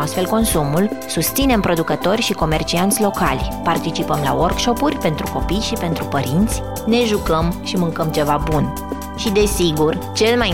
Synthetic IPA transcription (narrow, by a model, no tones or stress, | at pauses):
ast̪fe̞lko̞nsumulsust̪sine̞mpɾo̞d̪ukət̪o̞rʲʃiko̞me̞rt͡ʃiant̪sʲlo̞ka̰lʲpart̪it͡ʃipəmla̰workʃo̞purʲpe̞nt̪ɾuko̞pijʃipe̞nt̪ɾupəɾint̪sʲ | ne̞ʒukəmʃimɨŋkəmt͡ʃe̞vabun | ʃid̪e̞siɡurt͡ʃe̞lmaj